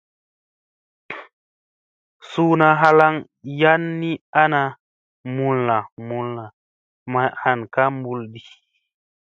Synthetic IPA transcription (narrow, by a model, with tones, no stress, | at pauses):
suː˦na˧ɦa˧la˦ŋ | ja˦nːi˦a˦na˧ | mu˧nːa˨mu˧nːa˨ | ma˧˨ha˨nka˦mbu˧ldi˨